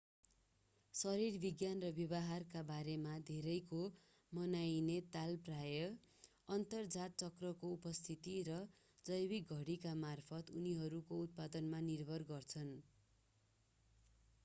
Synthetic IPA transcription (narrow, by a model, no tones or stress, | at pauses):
sʌɾirbiɡjanrʌbjʌbʌɦarkabaɾemad̪ʱeɾʌjko | mʌnajnet̪alprajʌ | ʌnt̪ʌrd͡zat̪̚t͡sʌkrʌkoupʌst̪ʰit̪iɾʌ | d͡zʌjbik̚ɡʱʌɽikamarpʰʌt̪uniɦʌɾukout̪̚pad̪ʌnmanirbʱʌrɡʌrt͡sʰʌn